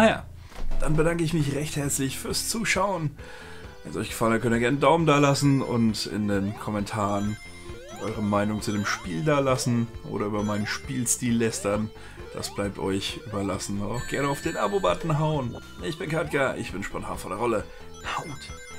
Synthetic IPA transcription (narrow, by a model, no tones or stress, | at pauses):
ja̰ː | d̥anbədaŋkəɪçmɪçʁɛçthɛɐt͡slɪçfyːɐst͡suːʃaʊən | vɛ̰nsʔɔ̰ʏçɡ̥ə̥falənhat̚kʰœntiːɐɡɛɐnədaʊmndaːɐlasn̩ʊ̰ntɪ̰ndeːnkʰɔmɛntʰaːʁən | ʔɔʏʁ̞əmaɪnʊŋt͡sudeːmʃpiːldaːɐlasn̩ʔo̰ːɾɐyːbɐmaɪnənʃpiːlstiːlːɛstɐn | d̥a̰sb̥laɪp̚tʔɔʏçʔyːbɐlasn̩ʊntaʊxɡ̥ɛɐnəaʊfd̥eːnʔa̰bobatn̩ɦaʊn | ɪçb̥ɪnkʰat̚ɡ̥aʔɪ̰çb̥ɪnʃpɔntʰa̰ːnfɔndɛɐʁɔlə | haʊt